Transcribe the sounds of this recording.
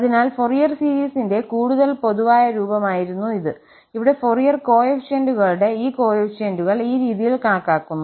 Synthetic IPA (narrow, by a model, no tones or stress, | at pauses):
ɐðinaːlfo̞rijɐrsiːɾiːsinde̞kuːɽuðɐlpo̞ðuʋaːjɐɾuːbɐmaːjiɾunːuiðɨ | iʋiɽe̞forijɐrko̞ːjefʂenduɣɐɭɽe̞iːko̞ːjefʂenduɣɐɭiːɾiːðijilkaːɳɐkːaːkːunː